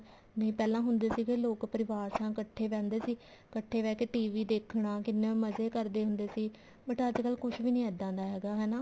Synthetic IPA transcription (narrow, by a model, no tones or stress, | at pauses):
nə̃ĩːpɛːlãːɦʊnd̪eːsiːkɪloːkpəɾɪʋaːɾsãːkəʈʰːeːʋɛ̃ːnd̪eːsiː | kəʈʰːeːʋɛːkeːʈiːʋiːd̪eːkʰɳaːkɪnːeːməzeːkəɾd̪eːɦʊnd̪eːsiː | bəʈəd͡ʒkəlkʊʃʰʋiːnĩːɛːd̪ãːnd̪aːɦɛːɡaːɦɛːnaː